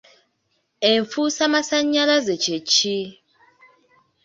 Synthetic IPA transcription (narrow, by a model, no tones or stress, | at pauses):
eɱfusamasaɲalazɛt͡ʃʰet͡ʃʰi